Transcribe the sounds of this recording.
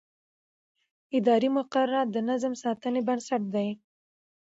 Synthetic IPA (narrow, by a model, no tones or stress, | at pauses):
ɪd̪ɑɾimʊqaɾːad̪ənazmsɑt̪ənebənsaʈ̚d̪aj